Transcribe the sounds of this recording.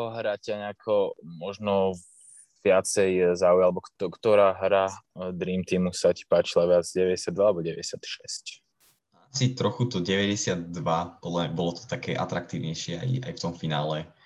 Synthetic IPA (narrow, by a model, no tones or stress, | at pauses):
ɔɦɾacaɲɛakʰɔmɔʒnɔ | ʋɪat͡sɛjzaːujalɛbɔk̪ɔkt̪ɔɾaːɦɾad̪ɾiːmt̪iːmusaci̥paːt͡ʃilaʋɪad͡zɟɛʋɛɟɛsɪad̪ʋaːlɛbɔɟɛʋɛɟɛsɪat̪ʃɛsc | asit̪ɾɔxut̪ɔɟɛʋɛɟɛsɪad̪̚ːʋapɔlɛbɔlɔt̪ɔ̥t̪akɛːʔa̰t̪ɾak̚t̪iːʊɲɛjʃɪɛa̰ja̰jft̪ɔmfinaːlɛ